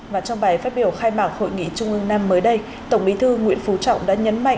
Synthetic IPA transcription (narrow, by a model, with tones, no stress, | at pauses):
vaː˨˩t͡ɕɔ˧ŋ͡mɓa˨˩jfaː˦˥t̚ɓi˧˩əwxaː˧jmaː˨˩k̚ho̰˧˨jŋḭ˧˨t͡ɕʊ˧ŋ͡mʔɨ˧ŋnaː˧mːəː˨˦jɗə˧j | t̪ə˧˩wŋ͡mɓi˨˦t̪ʰɨ˧ŋwḭ˧˥ənfu˨˦t͡ɕɔ̰˧˨wŋ͡mɗa̰ː˧˥ɲə̰˨˧˦nma̰˧˨